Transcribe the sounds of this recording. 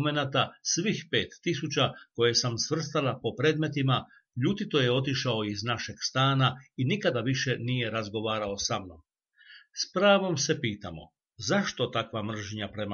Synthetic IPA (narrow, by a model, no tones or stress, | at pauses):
me̞nat̪asʋixpe̞ːt̪ːisut͡ɕako̞jesamsʋr̩st̪alapo̞pɾe̞ːd̪me̞t̪ima | ʎuːt̪it̪o̞jeo̞t̪iʃao̞iznaʃe̞ɡst̪aːnainikad̪aʋiʃe̞nije̞ɾazɡo̞ʋaːɾao̞samno̞̰m | spɾaːʋo̞mse̞piːt̪a̰mo̞̰ | zaʃt̪o̞t̪akʋamr̩ʒɲapɾe̞ma